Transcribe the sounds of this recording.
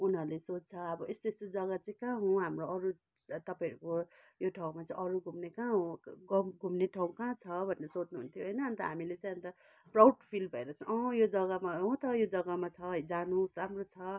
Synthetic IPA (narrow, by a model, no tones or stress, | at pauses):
unɦʌrlesot͡st͡sʰʌʌbʌest̪est̪od͡zʌɡat͡saĩkãɦũɦamroʌɾu | t̪ʌpãʌɾuko | joʈʰaw̃mat͡saĩʔʌɾuɡʱumnekãɦõɡʌmɡʱumneʈʰaw̃kãt͡sʰʌbʱʌnːʌsot͡snuɦunt̪ʰjoɦʌjnʌːnt̪ʌɦamilet͡sãj̃ʌnt̪ʌ | prawɖpʰilbʱʌeɾʌt͡sʰʌ̃ʌjod͡zʌɡʌmaɦõt̪ʌjod͡zʌɡamat͡sʰʌd͡zanusamrot͡sʰʌ